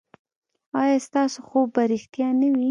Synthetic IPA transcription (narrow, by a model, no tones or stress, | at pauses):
ɑjɑst̪ɑsoxobːaɾixt̪jɑnawi